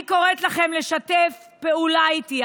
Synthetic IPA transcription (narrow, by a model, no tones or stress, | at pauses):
ko̞ʁet̪laχe̞mle̞ʃatefpeulait̪i